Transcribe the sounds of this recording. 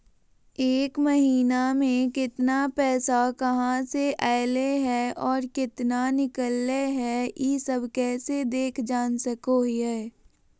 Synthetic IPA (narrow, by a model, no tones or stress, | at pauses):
eːkməɦiːnamẽkɪt̪napɛːsakɐɦãseʔaɪleɦɛːɔːɾkɪt̪nanɪkəlːeɦɛjiːsəbʱkɛːsed̪eːkʰd͡ʒaːnsəkoɦjeː